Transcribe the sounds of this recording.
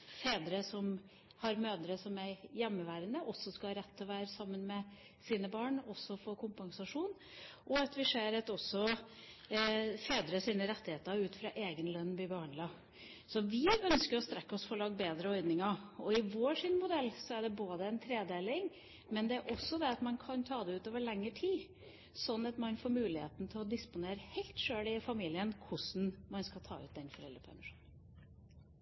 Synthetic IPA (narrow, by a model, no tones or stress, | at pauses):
feːd̪ɾəsɔm | hɑɾmøːd̪əɾəsɔmæɾjɛmːəʋæːɾənəʔɔsːɔskɑhɑɾɛt̪ʰːɪlɔʋæːɾəsɑmːənmɛ | siːnəbɑːɳɔsːɔfoːkʰʊmpɑŋsɑʂuːn | ʔɔɑt̪ʋɪʂeːɾɑt̪ɔsːɔ | feːd̪ɾəsiːnəɾɛt̪ːɪheːt̪əɾʉːt̪fɾɑʔeːɡənlœnːb̪ɪbɑːɳlɑː | sɔʋɪœnskəɾɔst̪ɾɛkːɔsfɔɔlɑːɡbeːd̪ɾəɔʏd̪nɪŋɑɔɪʋoːʂɪnmʊd̪ɛlːsɔæɖɛboːd̪əɛnt̪ʰɾeːd̪eːlɪŋ | mɛnd̪ɛæɾʔɔsːɔd̪ɛɑt̪mɑnkʰɑnt̪ʰɑːd̪ɛʉːt̪oːʋəɭɛŋːəʈʰiː | sɔnːɑt̪mɑnfoːɾmʉːlɪhḛːt̪n̩t̪ʰɪlɔd̪ɪspʊneːɾəhɛɪlt̪ʂøːlɪfɑmiːlɪənkʰʊsn̩mɑnskɑlt̪ʰɑ̰ːʉ̰ːt̪̚d̪ɛnfɔɾɛlɾəpʰæ̰ɾmɪʂuːnən